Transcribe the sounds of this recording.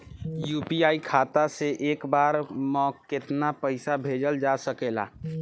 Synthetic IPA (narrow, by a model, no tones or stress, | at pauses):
juːpiaːikʰaːt̪aseʔeːkbaːɾmɔkɪt̪napəɪsabʱeːd͡ʒəld͡ʒasəkeːla̰ː